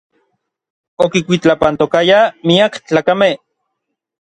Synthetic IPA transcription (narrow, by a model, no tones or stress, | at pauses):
okikʷit͡ɬapant̪okajamiakt͡ɬaːkameh